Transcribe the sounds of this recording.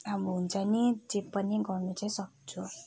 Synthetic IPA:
ɦamuɦunt͡sʰʌnitepʌniɡʌrnut͡saĩsʌk̚t͡sʰu

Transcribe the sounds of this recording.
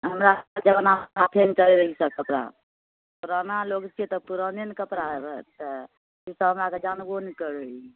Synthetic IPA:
ɦəmɾad͡ʒəbənaat̪ʰent͡ʃəleɾəɦisəkəpɾa̰ | puɾənalokt͡ʃʰit̪əpuɾənenikəpɾaɾtə | isəɦəmɾaked͡ʒanɡonikəɾui

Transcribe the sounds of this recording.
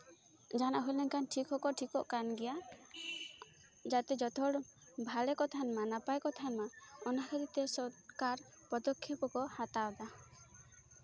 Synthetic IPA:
d͡ʒanaʔɦolɛŋkanʈʰikʰɔkɔʈʰikɔʔkanɡɛja | d͡ʒat̪ɛd͡ʒɔt̪ʰɔɽ | bʱalɛkɔt̪ʰanmanapajkɔt̪ʰanmaɔnakʰaɾit̪ɛsɔɾkaɾ | pɔd̪ɔkʰːepɔkɔhat̪awd̪a

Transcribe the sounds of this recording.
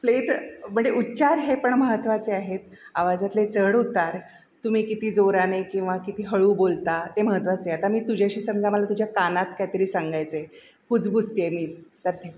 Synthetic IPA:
pleʈm̤əɳd͡zeʔutːt͡ɕaɾɦepəɳməɦət̪ʋat͡seaɦet̪̚ | a̰ʋad͡zat̪let͡səɽɦot̪aɾ | t̪um̤iːkit̪iːd͡zoɾanekĩw̃ʋakit̪iːɦəɭuːbolt̪at̪eməɦət̪ʋat͡seat̪amiːt̪ud͡ʑʱjaɕiːsəŋd͡zaməlat̪ud͡ʑʱjakanat̪kajt̪əɾiːsaŋɡajt͡se | kud͡zbust̪iemiːt̪əɾt̪ʰe

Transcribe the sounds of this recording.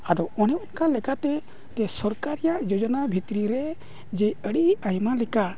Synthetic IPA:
ad̪ɔɔnɛʔɔnkalɛkat̪ɛ | t̪ɛsɔɾkaɾɛjaʔd͡ʒɔd͡ʒɔnabʱit̪ɾiɾɛ | d͡ʒɛəɽiajmalɛka

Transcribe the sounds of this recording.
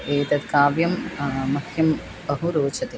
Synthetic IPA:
eːt̪ɐt̪kaːʋjɐmmɐkʰjɐm | bɐɦuɾoːt͡ʃʰɐt̪e

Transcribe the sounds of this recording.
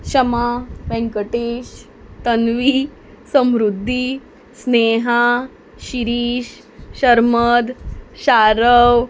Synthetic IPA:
ɕəmaʋɛ̃ŋkəʈeːɕ | t̪ənʋi | səmɾud̪ʱːi | sneɦa | ɕiɾiːɕ | ɕəɾməd̪ɕaɾəʋ

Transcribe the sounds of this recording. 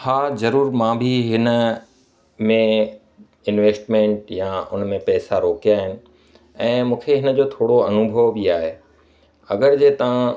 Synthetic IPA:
haːzɐɾuːɾmãbʱiɦɪnə̆ | mẽ | ɪnʋeːsʈmẽːɳʈjaʊ̰nmẽpɛːsaɾoːkijaːɦɪnɪ̆ | ɛ̃ːmũːkʰeɦɪnəd͡ʑoːt̪ʰoːɽoɐnʊbʱəʋbiaːɦe | ɐ̰ɡəɾd͡ʑeːt̪ɐʋ̤ã

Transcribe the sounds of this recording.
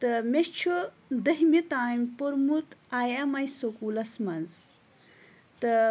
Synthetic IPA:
t̪ɐmeɕt͡ʃʰu | d̪ɐɦmit̪aːjmpoɾmut̪aːjɐmɐjsokuːlɐsmɐnz | t̪ɐ

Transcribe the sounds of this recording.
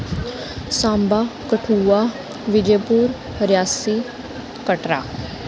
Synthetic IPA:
sãːmbaːkəʈʰuːaː | ʋɪd͡ʒeːpuːɾ | ɾjaːsiː | kəʈɾa̰ː

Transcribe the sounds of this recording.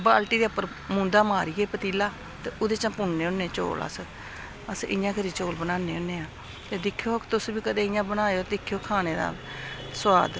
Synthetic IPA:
baːlʈiːd̪eːʊpːəɾ | mũːnd̪aːmaːɾiːɡeːpət̪iːlaː | t̪eːʔʊd̪eːt͡ʃãːpʊnːeːʊnːẽːt͡ʃo̰ːlə̰s | əsɪ̰jãːkəɾiːt͡ʃoːlbənaːnːeːonːẽːãː | t̪eːd̪ɪkʰːjoːt̪ʊsbiːkəd̪eːɪjãːbənaːjoːd̪ɪkʰːjoːkʰaːneːd̪a̰ː | swa̰ːd̪

